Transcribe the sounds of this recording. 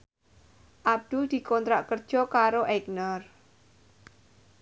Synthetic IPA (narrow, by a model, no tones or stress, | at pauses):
ʔab̚d̪̥ʊld̪̥i̤kɔnt̪ɾaʔkərd̥ʒ̥ɔ̤kaɾoʔɛɡnɔr